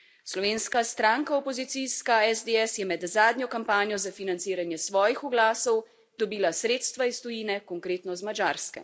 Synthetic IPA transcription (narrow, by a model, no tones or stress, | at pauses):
slɔʋeːnskast̪ɾaːŋkaɔpɔzit̪siskaɛzd̪eɛsjɛmɛd̪zaːd̪nɲjɔkampaːnjɔzafinant̪siːɾanjɛsʋɔːjixuɡlaːsɔw | d̪ɔbiːlasɾeːt̪st̪ʋaist̪ɔjiːnɛkɔŋkɾeːt̪nɔzmad͡ʒaːɾskɛ̰